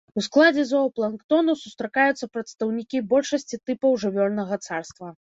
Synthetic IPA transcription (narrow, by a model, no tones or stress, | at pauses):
usklˠad͡zʲɛzɔplˠɐnkt̪ɔnusust̪ɾɐkajut̪sːɐpɾɐt̪st̪ɐwnʲikʲibɔlʲʂɐsʲt͡sʲit̪ɨpɐwʐɨvʲɔrnɐɣɐt̪sarst̪vɐ